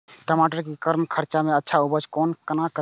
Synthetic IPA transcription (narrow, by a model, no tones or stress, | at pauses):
ʈəmaʈəɾkikəɾmkʰəɾt͡ʃameətːʃʰaubəd͡ʒkɔːnkənakə